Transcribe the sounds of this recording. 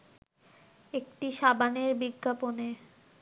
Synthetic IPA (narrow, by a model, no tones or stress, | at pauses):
ek̚ʈiʃabaneɾbiɡʱːapone